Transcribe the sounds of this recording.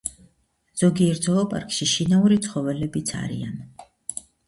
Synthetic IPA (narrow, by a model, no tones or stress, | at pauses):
z̥ɔɡiɛɾzɔɔpʼa̰ɾkʼʃiʃinauɾit̪sʰχɔvɛlɛbit̪sʰa̰ɾḭan